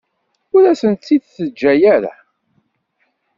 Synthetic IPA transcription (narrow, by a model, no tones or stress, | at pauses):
ʊɾæsənt̪ːiðθəd͡ʒːæjæɾa̰